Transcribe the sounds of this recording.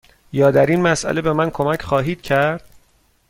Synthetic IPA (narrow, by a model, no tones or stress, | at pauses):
jɒːd̪æɾinmæsʔæ̰le̞be̞mænkʰo̞mæcʰχɒːɦiːd̪̥̚cʰæɾd̪̥